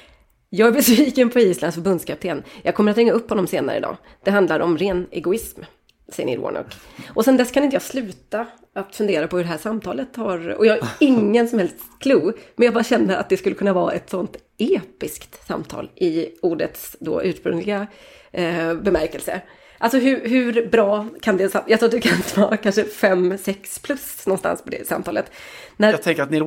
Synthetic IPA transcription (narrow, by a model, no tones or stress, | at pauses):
jɑːɡæɾbɛsviːkənpʰɔiːslankfœɾbɵnd̪skʰap̚t̪ʰeːnjɑːɡkʰɔmːəɾat̪ɾɛŋːaɵpːhɔnːɔmseːna̰ɾə̰ɪ̰d̪ɑ̰ː | d̪̥ɛɦand̪laɾʔɔmɾeːnɛ̰ɡʊɪsm | sɛjːənɪ̰ɾɔ̰ɳɔ̰kːʔɔsɛnd̪ɛskʰanɪnt̪əjɑːslʉ̟ːt̪a | at̪fɵnd̪eːɾapʰɔhɵɖɛɦæːʂamt̪ʰɑːlət̪haɾɔ̰jɑːhaɾɪŋːənsɔmhɛlst̪skʰluːmɛnjɑɡbɑːɾaɕɛnːəa̰t̪̚d̪ɛskɵlːəkʰɵnːavɑːʔɛt̪sɔnt̪ | eːpɪskt̪sa̰mt̪ʰɑ̰ːlʔɪuːɖət̪sd̪o̰ʔʉ̟ːʂpɾɵ̰ŋlɪɡa | bɛmæɾkɛlsə̰ | ʔalsɔɦʉɦʉɾbɾɑːkʰand̪ɛsajɑɡt̪ɾuːat̪d̪ɵkʰanvɑːkʰanʂəfɛmsɛkspʰlɵsnɔnst̪a̰nspʰɔd̪ɛ̰sa̰mt̪ʰɑːlət̪næjt̪ʰɛŋkəɾat̪nɪ